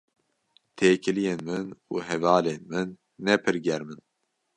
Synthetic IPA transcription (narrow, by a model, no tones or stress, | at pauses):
t̪ʰeːkʰɨlijeːnmɨnṵːɦɛvɑːleːnmɨnː | ɛpʰɨɾɡɛɾmɨn